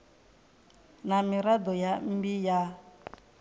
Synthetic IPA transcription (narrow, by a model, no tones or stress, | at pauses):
namiɾad̪ɔjam̩bija